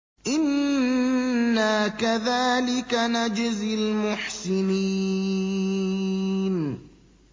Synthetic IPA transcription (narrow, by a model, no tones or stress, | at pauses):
ʔɪn | akaðaːlɪkanad͡ʒɪzɪlmʊħsɪni | n